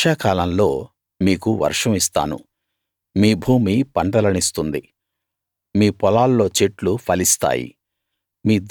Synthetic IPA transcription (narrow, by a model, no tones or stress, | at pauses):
aːkaːlɐmlo̞ː | miːkuʋɐ̰ɾʂɐmist̪a̰ːnṵ | miːbʱuːmipɐɳɖɐlɐnist̪und̪ḭ | miːpɔlaːlːo̞ːt͡ʃeʈlupʰɐlist̪a̰ːjḭ | miːd̪